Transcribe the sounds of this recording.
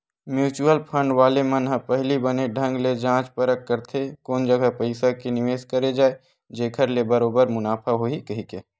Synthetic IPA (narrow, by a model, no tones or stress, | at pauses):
mjuːt͡ʃuəlpʰə̃ɳɖʋaːlemənɦəpəɦlibəneɖʱə̃ŋɡled͡ʒãːt͡ʃpəɾəkːəɾt̪ʰekoːnd͡ʒəɡəpəɪsakenɪʋeːskəɾed͡ʒaːe | d͡ʒeːkʰəɾlebəɾoːbəɾmʊnaːpʰaɦoikɐɦike